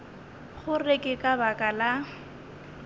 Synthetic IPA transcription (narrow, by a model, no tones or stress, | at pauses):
χʊrekʼɪkʼabakʼala